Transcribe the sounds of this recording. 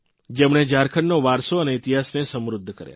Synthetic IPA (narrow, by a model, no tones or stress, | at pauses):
d͡ʒemɳ̃ed͡ʒaɾkʰəɳːoʋaɾsoəneɪt̪iɦasnesəmɾʊd̪ʱːkə̰ɾja̰